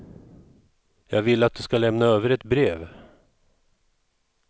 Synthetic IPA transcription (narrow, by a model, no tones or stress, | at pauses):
jɑːɡvɪlːat̪̚d̪ɵskalɛmnaøːvəɾɛt̪bɾeːv